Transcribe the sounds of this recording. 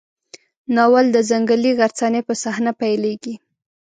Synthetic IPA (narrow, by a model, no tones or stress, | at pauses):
nɑwald̪əzaŋɡəliɣaɾt͡sɑnepəsahnapajleɡi